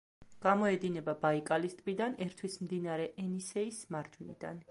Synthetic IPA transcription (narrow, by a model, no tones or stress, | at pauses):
ɡ̥amɔɛd̪inɛbabaikʼalist̪ʼbid̪anɛɾt̪ʰwismd̪inaɾɛʔɛnisɛismaɾd͡ʒwinḭd̪a̰n